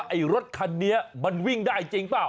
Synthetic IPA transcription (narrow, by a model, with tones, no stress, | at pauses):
ʔa˧˩jɾo˦˥t̪̚kʰa˧nːi˦˥ɐma˧nwi˥˩ŋdaː˥˩jt͡ɕi˧ŋpaː˨˩w